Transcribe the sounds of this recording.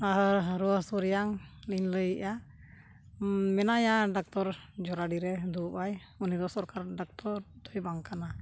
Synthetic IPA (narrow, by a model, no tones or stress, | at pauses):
aɦɾuəhsuɾjaŋliɲləjʔa | mɛnajaɖak̚t̪ɔɾd͡ʒɔɾaɖiɾɛd̪upaj | unid̪ɔsɔɾkaɾɖak̚t̪ɔɾd̪ɔjbaŋkana